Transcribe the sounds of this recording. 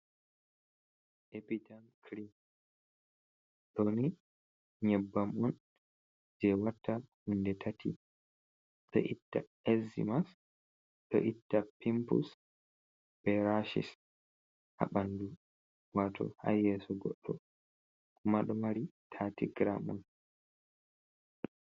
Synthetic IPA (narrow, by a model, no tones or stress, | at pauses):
ʔepitankɾin | ɗoni | ɲɛbːamɔn | d͡ʒɛwatːahundɛtʰatʰḭ | ɗɔ̰ʔitːa | ɛzḭmas | ɗɔ̰ʔitːapimpṵs | b̥ɛɾaʃḭs | ha̰ɓandu | watʰɔ̰ha̰jɛsɔɡɔɗːɔ | kʰumaɗɔmaɾitʰatiɡɾamɔ̰n